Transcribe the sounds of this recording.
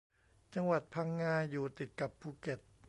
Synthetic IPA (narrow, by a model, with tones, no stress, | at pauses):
t͡ɕa˧ŋwa˨˩t̪̚pʰa˧˥ŋːaː˧juː˨˩t̪i˨˩t̪̚ka˨˩pʰːuː˧˩ke˨˩t̪̚